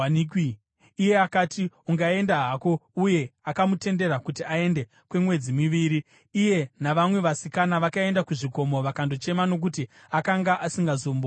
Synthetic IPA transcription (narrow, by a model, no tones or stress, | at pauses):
niki | ije̞akatiuŋɡae̞ndaɦako̞uje̞akamute̞nde̞ɾakutiae̞nde̞ | kwe̞mwe̞d͡zimiʋiɾiː | je̞naʋamwe̞ʋasikanaʋakae̞ndakuʐiko̞mo̞ʋakando̞t͡ʃe̞mano̞k̬uti | akaŋɡaʔasiŋɡazoːmbo